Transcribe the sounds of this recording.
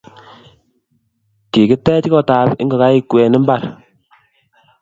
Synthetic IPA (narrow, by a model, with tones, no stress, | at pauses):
ki˨ki˦tɛ˦t͡ʃkɔ˦ta˨pḭ˦ŋɡɔ˨ka˦i˦kwe˨ni˦mba˦˨ɾ